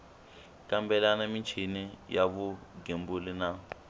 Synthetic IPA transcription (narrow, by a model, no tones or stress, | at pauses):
kambɛlanamit͡ʃʰinijaβuɡembulina